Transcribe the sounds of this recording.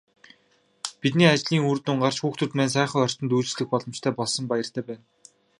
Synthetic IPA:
pit̪niːat͡ɕɮiːŋurt̪ʊ̆ːɴɢar̥t͡ɕxuːxt̪ʰɵ̆t̪mæːnsæːχə̆ɔr̥ʲt͡ɕ̪ɞ̆nt̪uːt͡ɕ̆sɮɘ̆x̚pɔɮɞ̆mt͡ɕt̪ʰæːpɔɮsɞ̆mpajə̆r̥t̪ʰæːpæːn

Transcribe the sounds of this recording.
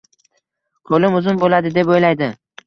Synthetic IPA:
qʰolɪmʊzʊmbolad̪ɪd̪epojlajd̪ɪ

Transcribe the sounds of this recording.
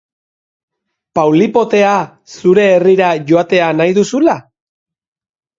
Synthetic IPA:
pawlipo̞t̪e̞a | suɾe̞ːriɾaʝo̞at̪e̞anajðusula

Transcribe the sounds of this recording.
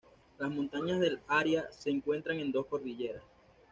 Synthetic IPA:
lasmont̪aɲazðe̞laɾjase̞ːŋkwe̞nt̪ɾaŋe̞nd̪o̞sko̞ɾðiʝe̞ɾas

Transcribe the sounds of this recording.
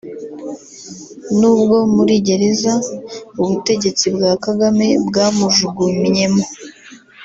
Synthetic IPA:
nuːbɡo̞muɾiɟe̞ɾezauβute̞ɟe̞t͡sibɡaːkaɡame̞bɡaːmuʒuɡumɲe̞mo

